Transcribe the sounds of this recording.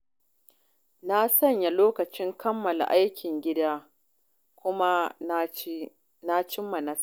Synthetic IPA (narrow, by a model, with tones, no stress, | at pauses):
na˦sɐ˦ɲja˨loː˦kɐ˨t͡ʃɪ˦ŋkʰɐ˦mːɐ˨la̰˨ʔa˦jkʲɪ˨ŋɡʲɪ˦daː˦ | kʷʊ˦ma˦ | na˦t͡ʃɪ˦mːɐ˨nɐ˦s